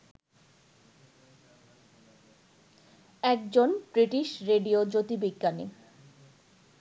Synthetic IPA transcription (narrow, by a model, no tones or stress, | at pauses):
ɛk̚d͡ʑonbɾiʈiʃɾeɖiod͡ʑot̪ibiɡːani